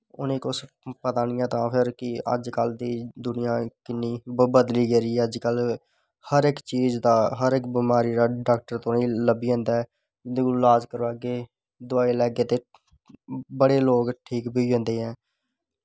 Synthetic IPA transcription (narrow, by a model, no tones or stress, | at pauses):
ʊ̰nẽːkʊs | pət̪aːnɪjãːt̪ãːpʰɪɾkɪə̰d͡ʒkəld̪iːd̪ʊnɪjãːkɪnːiːbəd̪liːɡeːɾiːəd͡ʒkəl | həɾɪkt͡ʃiːzd̪aːɦəɾɪkbimaːɾiːɾaːɖaːk̚ʈəɾt̪ʊiːləbiːõːnd̪aːɛ | ɪnd̪eːkolaːd͡ʒkəɾʋaːɡeː | d̪ʊaːiːlɛːɡeːt̪eː | bəɽeːloːɡʈʰiːkbiiːɦõːnd̪eːɦɛ̃ː